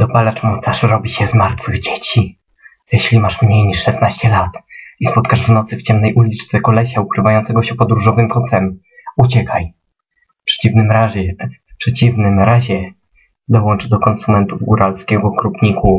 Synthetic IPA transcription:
d̪ɔbalat͡ʂmɔt̪saʂɾɔbʲiɕɛzmaɾt̪fɘɣd͡ʑet͡ɕi | jɛɕlʲimaʂmɲejɲiʂːɛst̪naɕt͡ɕɛlat̪ispɔt̪kaʐvnɔt̪sɘft͡ɕɛmnɛjʔulʲit͡ʂt̪sɛkɔlɛɕaukɾɘvajɔ̃nt̪sɛɡɔɕɛpɔd̪ɾuʐɔvɘmkɔt̪sɛm | ut͡ɕɛkʰaj | fpʂɛ̥t͡ɕivnɘmɾaʑɛfpʂɛt͡ɕivnɘmɾaʑɛ | d̪ɔwɔnt͡ʂd̪ɔkɔnsumɛnt̪uvɡuɾalskʲɛɡɔkɾupɲiku

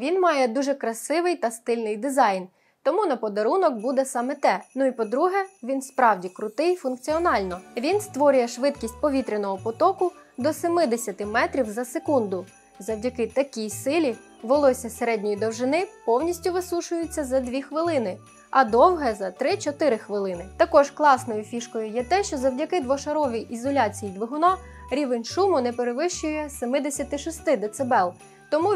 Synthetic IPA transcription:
ʋʲinmɑjɛd̪uʒɛkɾɐsɪʋɪjt̪ɐst̪ɪlʲnɪjd̪ɪzɑjn | t̪ɔmunɐpɔd̪ɐɾunɔk̚bud̪ɛsɑmɛt̪ɛnʊipɔd̪ɾuɦɛʋʲinspɾɑwdʲikɾʊt̪ɪjfʊnkt͡sʲiɔnɑlʲnɔʋʲinst̪ʋɔɾʲʊjɛʃʋɪd̪kʲisʲt̚ʲpɔʋʲit̪ɾenɔɦɔpɔt̪ɔkʊd̪ɔsemɪd̪esʲɐt̪ɪmɛt̪ɾʲiwzɐsekund̪ʊ | zɔwdʲɐkɪt̪ɐkʲijsɪlʲi | ʋɔlˠɔsʲɐseɾɛdʲnʲɔjid̪ɔwʒɪnɪpɔwnʲisʲtʲʊʋɪsuʃʊjʊt͡sʲːɐzɐd̪ʲʋʲixʋɪlˠɪnɪ | ɐd̪ɔwɦɛzɐt̪ɾɪt͡ʃɔt̪ɪɾɪxʋɪlˠɪnɪt̪ɐkɔʒklˠɑsnɔjʊfʲiʃkɔjʊjɛt̪ɛʃt͡ʃɔzɐwdʲɐkɪd̪ʋɔʃɐɾɔʋʲijʔizɔlʲɑt͡sʲijid̪ʋɪɦʊnɑ | ɾʲiʋenʲʃumʊnɛpeɾeʋɪʃt͡ʃʊjɛsemɪd̪esʲɐt̪ɪʃɔst̪ɪd̪ɛt̪sebɛlˠ | t̪ɔmu

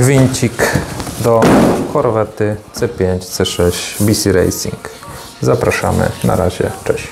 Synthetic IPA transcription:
vʲiɲt͡ɕikd̪ɔkɔɾɔvɛɾt̪ɘt̪sɛpʲjeɲt͡ɕt̪sɛʂɛɕt͡ɕbʲisʲiɾɛ̰jsʲiŋk | zapɾaʂa̰mɘ̰na̰ɾaʑɛ̰t͡ʂɛɕ

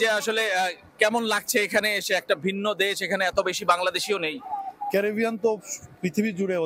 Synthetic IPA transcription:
d͡ʑeaʃole | kɛmonlaɡ̚t͡ɕʰeekʰaneeʃeɛk̚ʈabʱinːod̪eʃekʰaneɛt̪obeʃibaŋlad̪eʃionejkɛɾibʱijant̪opɾit̪ʰibid͡ʑuɽeo

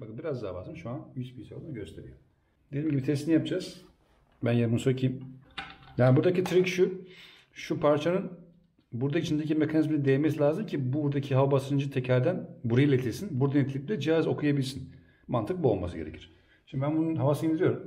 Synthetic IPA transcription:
bakɯmbiɾazd̪aːba̰zamʃuanmit͡ʃbijsaolˠnɟø̞st̪ʰe̞ɾijo̰ | d̪ed̪imɟibit̪ʰɛst̪inijap̚d͡ʒaz̥ | bænjemunsoɾcʰiim | jaːnibuɾd̪acit̪ʰɾicʃu | ʃupʰaɾt͡ʃʰanɯn | buɾd̪ait͡ʃʰind̪ecimekʰanizminɛd̪ejɛmɛsilʲaːzɯmcʰibuɾd̪acʰiɦavabasɾɯnd͡ʒɯt̪ʰɛcʰæɾd̪ænbuɾajilʲet̪ʰilʲsinbuɾd̪anet̪ilʲic̚ʲlʲɛd͡ʒiazo̞kʰujabilʲsin | mant̪ʰɯk̚buo̞lˠma̰sɯɟeɾecʰiɾ̥ | ʃɯnd̪ibænbununɦavasɯind̪iɾijo̞ɾum

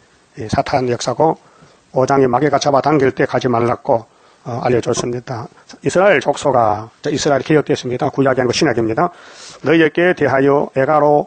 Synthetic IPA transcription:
isʰatʰanjʌk̚s͈aɡo | od͡ʑaŋimaɡekat͡ɕʰabataŋɡiɭt͈ekad͡ʑimaɭːak̚k͈o | a̰ʎːʌd͡ʑos͈ɯmɲid̥a | isʰɯɾaeɭt͡ɕok̚s͈ʰoɡat͡ɕaisʰɯɾaeɾikejʌk̚t͈es͈ɯmɲidakujaɡiɦanɡoɕʰinaɡimɲidanʌijek͈eteɦajʌeɡaɾo

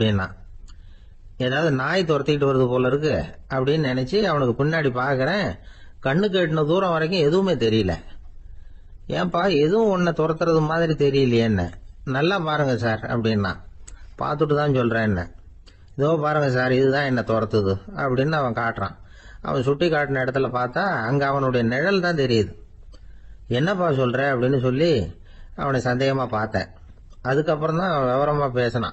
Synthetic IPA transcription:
ɐpɐɽɪnːã̰ː | ɛðaːʋɯðɯnaːjt̪ɔɾɐt̪ːɪkɪʈ̬ːɯʋɐɾɐðɯpoːlɐɪɾɯk̬ːɯɐpːɐɽɪjnnɪnɛt͡ʃːɯɐʋɐnɯkːɯpʊɳːaːɽipaːɾkɐɾẽː | kɐɳːɯk̬ːeːʈːɯnɐd̪uːɾɐ̃ʋɐɾɐɪk̬ːʊ̃ɛðɯʋɯmeːt̪ɛɾɪjɪlɐ̰ | ʔḛ̃ːpaːɛðɯʋʊ̃ɔnːɐt̪ɔɾɐt̪ːɯɾɐðɯmaːðɪɾit̪ɛɾɪjɪlːɐjɛnːɐ̰nɐlːaːpaːɾɯŋɡɐsaːɾɐ̰pːɐɽɪnːã̰ːpa̰ːɾt̪ɯʈːɯt̪ãːnsɔlːrɾẽːɛnːɐ̰ | ɪðoːpaːɾɯŋɡɐs̬aːɾɪðɯt̪ãːɛnːɐt̪ɔɾɐt̪ːɐðɯɐ̰pːɐɽɪnːɯɐʋɐ̃kaːʈːɾã̰ː | ʔɐ̰ʋɐ̃sʊʈːikːaːʈːɯnɐɪɽɐt̪ːɪlɐpaːɾt̪ːaːɐŋɡɐɐʋɐnɯɽɐjɐnɛɻɐlt̪ãːt̪ɛɾɪjɐðɯ | ɛnːɐpaːsɔlːɾẽːɐpːɐɽɪnːɯsɔlːi | ɐ̰ʋɐnɐsɐnd̪eːɣɐmaːpaːɾt̪ːḛ̃ː | ɐðɯkːɐpːɯɾɔ̃t̪ãːɐʋɡɐʋɐɾɐmaːpeːsɐnã̰ː

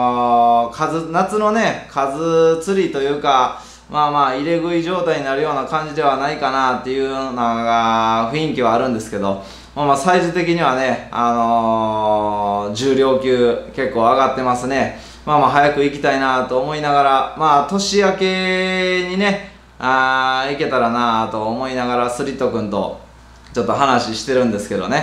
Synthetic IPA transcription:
kʰazɨnat͡sɨno̞ne̞kʰazɨt͡sɨɾʲit̪o̞jɯ̟ːka | maːmaːiɾe̞ɡɯ̟iʑo̞ːt̪aiɲ̟inaɾɯ̟jo̞ːnakãɲ̟d͡ʑid̪e̞β̞anaikanat̪ːe̞jɯ̟naɡaɸɯ̟ĩŋkʲiβaːɾɯ̟̃nd̪e̞sɨ̥ke̞d̪o̞ | mamaːsaizɨt̪e̞k̬ʲiɲ̟iβ̞ane̞ano̞ | d͡ʑɨːɾʲjo̞ːkʲɨːke̞kːo̞ːaɡat̪ːe̞masɨne̞ | mamaːɦajakɯ̟ikʲi̥t̪ainat̪o̞ːmo̞inaɡaɾamaːt̪o̞ɕiake̞ɲ̟ine̞ | aike̞t̪aɾanat̪o̞ːmo̞inaɡaɾasɨɾʲit̪ːo̞kɯ̟̃nt̪o̞̰ | t͡ɕo̞t̪ːo̞ɦanaɕiɕi̥t̪e̞ɾɯ̟̃nd̪e̞sɨ̥ke̞d̪o̞ne̞

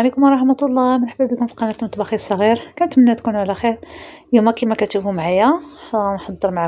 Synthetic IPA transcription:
likʊmɾˤɑħmɑt̪lˤːɑmənħəbːæbikʊmfi̥qɑnæt̪mt̪ˤbɑxisˤɑɣiɾkænət̪mənːæt̪kunʕlæxiɾjumækimækæt̪ʃufumʕajænħɑd̪ˤːəɾˤmaʕ

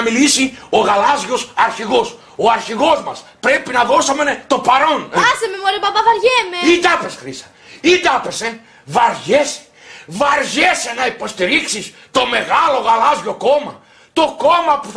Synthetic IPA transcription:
milisio̞ɣɐlɐzʝosɐɾçiɣo̞s | oɐɾçiɣo̞zmɐspɾepinɐðo̞sɐment̪o̞pɐɾo̞nsememoɾibɐbɐvɐɾʝemeid̪ɐpesxɾisɐ̥ | id̪ɐpese | vɐɾʝese̥ | vɐɾʝesenɐipo̞st̪iɾiksis | t̪o̞me̞ɣalo̞ɣɐlɐzʝo̞ko̞mɐ̰ | t̪o̞komɐpu̥θ

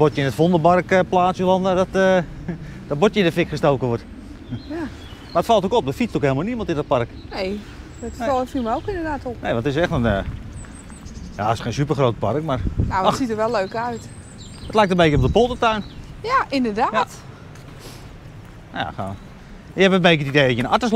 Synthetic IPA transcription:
botjəɪnətfondəbarkəplaːsəlɔndədɔtə | d̥ɔtbotjəɪndəfɪkχəstowkəʋot | ja | maətfɑlˠtokɔp̚dəfit͡stokheːlˠmalniəmɑntɪndɔt̚parknej | dɔtɔfiməowkɪndədaːtɔpnejʋɔntɪsɛxtənə | jaɪsxeːnsypərχroːtəparəkmarnaɔsitəʋɛlˠøːkœɥt | ətlɛjktəbejkərop̚dəpolˠtətœɥnjaʔɪndəɹdaːjat | a̰xo̰ | jəɛpɛbejk̬ətidejdɔtjəna̰təs

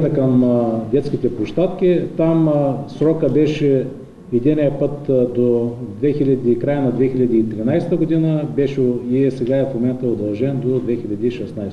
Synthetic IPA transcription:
t̪əkɐmd̪ʲɛt̪sk̟it̪ɛpoʃt̪at̪kʲit̪amsɾɔkəbɛʃɛ | ɛd̪inʲijəpɤt̪d̪od̪vɛxilʲɐd̪ikɾajənɐd̪vɛxilʲɐd̪iːt̪ɾinajst̪əɡod̪inəbɛʃɛiɛsɛɡaɛfmomɛnt̪əod̪ɐlˠʒɛnd̪od̪vɛxilʲɐd̪iːʃɛsnajst̪

